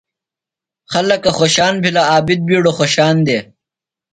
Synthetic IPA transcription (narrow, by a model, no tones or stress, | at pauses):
xɐlɐkɐxoːɕaːnbʱilaaːbid̪̚biːɽoxoːɕaːnd̪eː